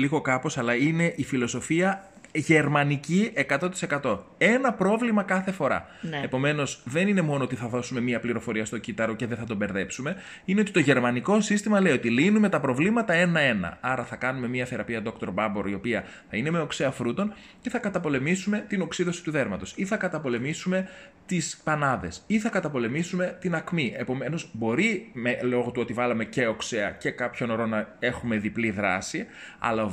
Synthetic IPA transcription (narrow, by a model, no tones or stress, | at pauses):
liɣo̞kɐpo̞sɐlɐine̞ʔifilo̞so̞fiɐ | ʝe̞ɾmɐnicie̞kɐt̪o̞t̪ise̞kɐt̪o̞ | e̞nɐpɾo̞vlimɐkɐθe̞fo̞ɾɐ̰ | epo̞me̞no̞sðe̞nine̞mo̞noot̪iθɐðo̞sume̞miɐpliɾo̞fo̞ɾiɐst̪o̞cit̪ɐɾo̞ce̞ðeθɐt̪o̞be̞ɾðe̞psume̞ | ine̞o̞t̪it̪o̞ʝe̞ɾmɐniko̞sist̪imɐle̞iot̪ilinume̞t̪ɐpɾo̞vlimɐt̪ɐe̞nɐe̞nɐ̰ɐɾɐθɐkɐnume̞miɐθe̞ɾɐpiɐðo̞kt̪oɾbɐbo̞ɾio̞piɐ | θɐine̞me̞okseɐfɾut̪o̞n | ce̞θɐkɐt̪ɐpo̞le̞misumet̪ino̞ksiðo̞si̥t̪uðe̞ɾmɐt̪o̞siθɐkɐt̪ɐpo̞le̞misume̞t̪ispɐnɐðe̞siθɐkɐt̪ɐpo̞le̞misume̞t̪inɐkmiʔe̞po̞me̞no̞zbo̞ɾimelo̞ɣot̪uo̞t̪ivɐlɐme̞ce̞o̞kse̞ɐce̞kɐpço̞no̞ɾo̞nɐe̞xume̞ðipliðɾɐ̰si | ɐ̰lɐ